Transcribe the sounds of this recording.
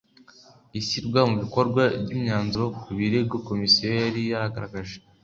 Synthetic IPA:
isiɾɡwamuβiko̞ɾɡwabɟimɲaːnzuokuβiɾebɡoko̞misioaɾijahaɡaɾaɡaʒe

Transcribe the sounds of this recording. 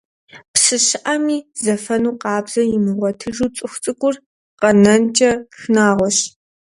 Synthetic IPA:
psɨɕɪʔɐmiːzɐfɐnuːqɑːbz̥ɐjɪmɨʁʷɔtʰɨʒuːt͡sʼɨxʷt͡sʼɨkʷʼʊr | qɐnɐnt͡ʃʼɐxnaːʁʷɔɕ

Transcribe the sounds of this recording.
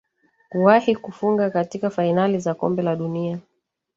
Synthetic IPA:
kuwahikufuŋɡakatikafainalizakɔ̰mbɛlaɗunia

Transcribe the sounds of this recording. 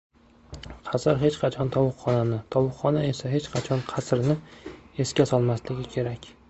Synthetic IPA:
qʰɑsɾɦe̞t͡ʃqʰɑt͡ʃʰɒnt̪ʰɒwʊqχɒnanɪt̪ʰɒwʊqːɒnae̞saɦe̞t͡ʃqʰɑt͡ʃʰɒnqʰɑsɾnɪe̞skʲasɒlˠmaslɪɡʲɪkʲʰe̞ɾakʲ

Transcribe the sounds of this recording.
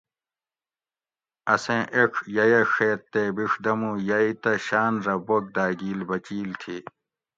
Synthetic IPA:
ɐsẽːʔekʰjɐjeʂeːt̪ːebiʂd̪ɐmũːjɐit̪ɐɕaːnɾɐbok̚d̪aːɡiːlbɐt͡ɕiːlt̪ʰiː

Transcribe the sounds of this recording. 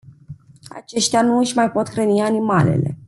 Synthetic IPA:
a̰t͡ʃe̞ʃt̪eanuɨʃʲmajpo̞t̪kɾənianimale̞̰le̞̰

